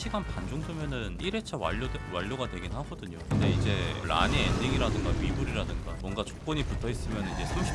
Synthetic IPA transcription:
ɕʰiɡanpand͡ʑoŋdɯmjʌnɯniɾe̞t͡ɕʰawa̰owaʎːoɡadwe̞ɡinhaɡʌdɯɲokɯnde̞id͡ʑe̞ɾa̰ɲeenːiŋiɾadɯŋɡaɥibuɾiɾadɯŋɡamwʌnɡat͡ɕo̥k̚k͈ʌɲiputʰʌis͈ɯmjʌnɯnid͡ʑe̞sʰumɕʰi

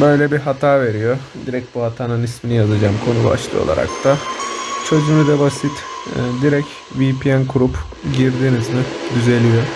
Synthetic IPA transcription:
bø̞jlʲɛbiɦat̪ʰaːve̞ɾijod̪iɾɛc̚buhat̪ʰaːnɯnisminijazad͡ʒamkʰo̞nuba̰ʃlˠɯ̰jo̰lˠa̰ɾa̰k̚t̪ʰat͡ʃʰø̞zymyd̪ɛbasit̪ːd̪iɾɛc | viːpʰijænkʰuɾup | ɟiɾd̪iːnizmid̪yze̞lʲijo

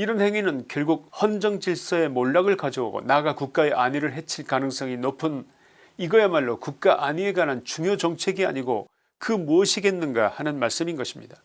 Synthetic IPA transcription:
iɾʌnhe̞ŋɥinɯnkjʌɭɡuk̚hʌnd͡ʑʌŋd͡ʑiɭs͈ʌe̞moɭːaɡɯɭkad͡ʑʌwo̰ɡo̰naɡakuk̚k͈ae̞ʔaɲiɾɯɭɦe̞t͡ɕʰiɭkanɯŋs͈ʌŋinopʰɯn | iɡʌjemaɭːokuk̚k͈aʔaɲie̞ɡanɦant͡ɕuŋjot͡ɕʌŋt͡ɕʰe̞ɡia̰ɲiɡo̰ | kɯmuʌɕʰiɡe̞nːɯnɡahanɯnmaɭs͈ɯminɡʌɕʰimɲida

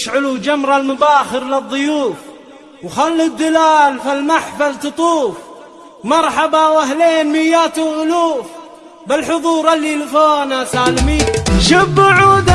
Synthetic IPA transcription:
ʃʕʊlud͡ʒamɾˤɑlmʊbaːxɪɾlɪðˤːʊjuːf | wxalːud̪ːɪlaːlfilmaħfalt̪ɨt̪ˤuːf | mɑɾˤħɑbawaɦleːnmɪjːaːt̪uʔʊluːf | bɪlħʊðˤuːɾalːilfoːnasaːlmiːʃɪbːʕuːd̪

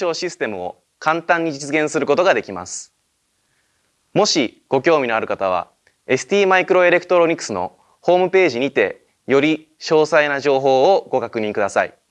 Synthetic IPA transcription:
o̞ːɕisɨ̥t̪e̞mɯ̟o̞̰ | kãnt̪ãɲ̟ːid͡ʑit͡sɨɡẽɰ̃sɨɾɯ̟ko̞t̪o̞ɡad̪e̞kʲima̰sɨ̥ | mo̞ɕiɡ̥o̞kʲo̞ːmʲino̞aɾɯ̟kat̪aβ̞a̰ | e̞sɨ̥t̪ʲiːmaikɯ̟ɾo̞e̞ɾe̞kɯ̟t̪o̞ɾo̞ɲ̟ikːɯ̟̥sɨno̞̰ | ho̞ːmɯ̟pe̞ːʑiɲ̟it̪e̞̰ | jo̞ɾʲi | ɕo̞ːsainaʑo̞ːɦo̞ːɡo̞kakɯ̟ɲ̟ĩŋkɯ̟d̪asaḭ

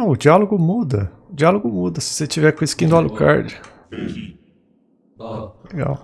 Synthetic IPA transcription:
ɐ̃w̃ʊd͡ʒialoɡʊmud̪ɐ | ʊd͡ʒialoɡʊmud̪ɐsɪ̥set͡ʃivɛkõiskĩnd̪ʊalʊka̰ɾd͡ʒʊ | leɡa̰w

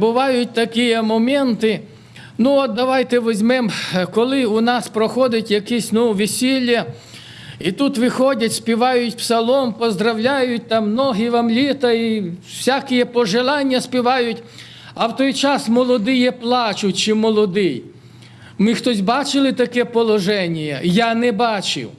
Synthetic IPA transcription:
bʊʋɑjʊtʲt̪ɐkijɛmɔmɛnt̪ɪ | nuɔt̪̚d̪ɐʋɑjt̪ɛʋezʲmɛmkɔlˠɪʊnɑspɾɔxɔd̪ɪtʲjɐkisʲnuʋʲisʲilʲːɐ | it̪ut̪ʋɪxɔdʲɐtʲsʲpʲiʋɑjʊtʲpsɐlˠɔmpɔzd̪ɾɐwlʲajʊt̚ʲt̪ɑmnɔɦiʋɐmlʲit̪ɐisʲakɪjɛpɔʒelˠɑnʲːɐsʲpʲiʋɑjʊtʲ | ɐwt̪ɔjt͡ʃɑsmɔlˠɔd̪ɪjɛplˠɑt͡ʃʊtʲt͡ʃɪmɔlˠɔd̪ɪj | mɪxt̪ɔsʲbɑt͡ʃɪlˠɪt̪ɐkɛpɔlˠɔʒɛnʲijɐjanɛbɑt͡ʃɪ̰w

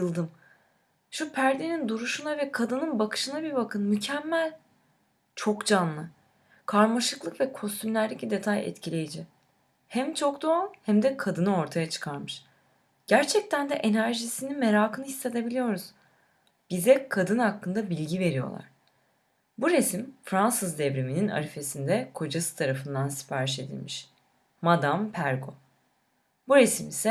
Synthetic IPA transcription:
ɯlˠd̪ɯm | ʃupʰæɾd̪enind̪uɾuʃunavɛkʰad̪ɯnɯnbakʰɯ̥ʃɯnabiɾbakʰɯnmycʰɛmːælʲ | t͡ʃʰo̞kd͡ʒanlˠɯ | kʰaɾmaʃɯklˠɯkvɛkʰo̞st̪ʰymlʲæɾd̪ecʲid̪e̞t̪ʰajɛ̰t̪cʰilʲe̞jid͡ʒi | hæmt͡ʃʰokd̪o̞anhæmd̪ɛkʰad̪ɯnao̞ɾt̪ʰajat͡ʃʰɯ̥kʰaɾmɯʃ | ɟ̥æɾt͡ʃʰɛc̚t̪ʰænd̪ɛʔe̞næɾʒisininme̞ɾaːkʰɯnɯhisːe̞t̪e̞bilʲijo̞ɾuz̥ | b̥izɛkʰad̪ɯnhakʰːɯnd̪abilʲɟive̞ɾijo̞̰lˠa̰ɾ̥ | buɾesimfɾansɯzd̪ɛvɾeminina̰ɾife̞sind̪ɛkʰo̞d͡ʒasɯ̥t̪ʰaɾafɯnd̪ansi̥paɾiʃe̞d̪ḭlʲmiʃ | mad̪ampʰæɾɡo̞̰ | buɾesmisɛ

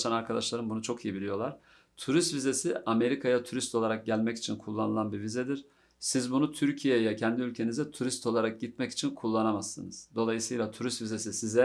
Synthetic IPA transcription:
t͡ʃ̪ʰanaɾkʰad̪aʃlˠaɾɯmbunut͡ʃʰo̞kʰijibilʲijo̞lˠaɾ̥ | t̪ʰuɾist̪vize̞siame̞ɾikʰajat̪ʰuɾist̪ʰolˠaɾak̚ɟælʲmɛci̥t͡ʃʰinkʰulˠːanɯlˠanbiɾvizɛd̪iɾ̥ | sizbunut̪ʰyɾcʰijejɛcʰɛnd̪iylʲcʰe̞nizɛt̪ʰuɾist̪ʰo̞lˠaɾak̚ɟit̪mɛci̥t͡ʃʰinkʰulˠːanamasːɯ̰nɯz̥d̪o̞lˠajɯsɯjlˠat̪ʰuɾist̪vize̞sisizɛ

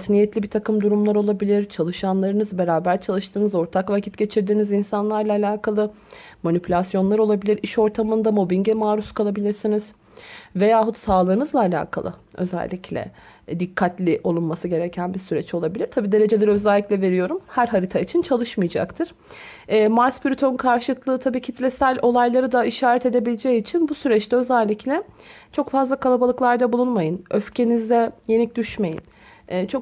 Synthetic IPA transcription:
t̪ʰnijɛt̪lʲibit̪ʰakɯmd̪uɾumlˠaɾo̞lˠabilʲiɾt͡ʃʰalˠɯʃanlˠaɾɯnɯzbe̞ɾaːbæɾt͡ʃʰalˠɯʃt̪ʰɯːnɯzo̞ɾt̪ʰakvacʰit̪ɟe̞t͡ʃʰiɾd̪iːnizinsanlˠaɾlˠaːlʲaːkʰalˠɯ | manipʰylʲasjo̞nlˠaɾo̞lˠabilʲiɾiʃo̞ɾt̪ʰamɯnd̪amo̞binɟɛmaːɾuskʰalˠabilʲiɾsiniz̥ | ve̞jaːɦut̪saːlˠɯnɯzlˠaːlʲa̰ːkʰa̰lˠɯ̰ø̞̰zɛ̰lʲːiclʲɛ̰ | d̪ikʰːat̪lʲiʔo̞lˠunmasɯɟe̞ɾecʰænbisyɾɛt͡ʃo̞lˠabilʲiɾ̥t̪ʰabiːd̪e̞ɾe̞d͡ʒe̞lʲɛɾø̞zælʲːiclʲɛve̞ɾijo̞ɾumhæɾɦaɾit̪ʰait͡ʃʰint͡ʃʰalˠɯʃmɯjad͡ʒa̰kt̪ʰɯɾ̥ː | maɾspʰyɾyt̪ʰo̞nkʰaɾʃɯlˠɯklˠɯːt̪ʰabiːcʰit̪ʰlʲɛsælʲo̞lˠajlˠaɾɯd̪aiʃaːɾɛt̪e̞d̪e̞bilʲed͡ʒɛit͡ʃʰinbusyɾɛt͡ʃt̪ɛø̞zælʲːiclʲɛ | t͡ʃʰo̞kfazlˠakʰalˠabalˠɯklˠaɾd̪abulˠunmajɯnʔøfcʰe̞nizd̪ɛje̞nic̚d̪yʃme̞jḭnː | t͡ʃʰo̞k

